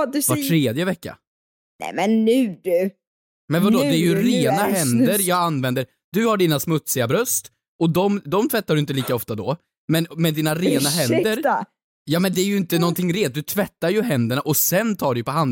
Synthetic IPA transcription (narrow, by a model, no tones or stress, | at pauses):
vaʈʰːɾeːd̪jəvɛkːa̰ | nɛ̰mɛnːʉːdʉ | mɛnvad̪ɔd̪ɛːɾjɵɾeːnaɦɛndd̪əɾjɑːɡanvɛnd̪əɾ | d̪ɵhaɖiːnasmɵt̪sɪɡabɾœst̪ | ɔd̪ɔmd̪ɔmt̪ʰvɛt̪ːaɖɵɪnt̪əliːkaɔft̪ad̪ɔ | mɛnmɛnd̪iːnaɾeːnaɦɛnd̪əɾ | jɑːmɛnd̪ɛæɾjɵɪnt̪ənɔnt̪ʰɪŋːɾeːt̪̚d̪ɵt̪ʰvɛt̪ːaɾjɵɦɛnd̪əɳaʔɔsɛnt̪ʰɑːɖɛjpɔɦan